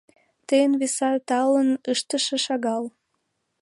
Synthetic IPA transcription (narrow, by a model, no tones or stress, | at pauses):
t̪ejənβesɑt̪ɑlənəʃt̪əʃĕʃɑɣɑl